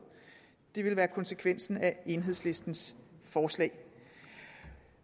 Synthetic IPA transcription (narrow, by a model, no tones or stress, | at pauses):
d̥e̝ʋe̝lʋæːɐkʰɒ̽nsekʰʋen̰sn̩æe̝nɦe̝ð̞̰ˠsle̝sd̥n̩sfɒːslɛ̰ːɪ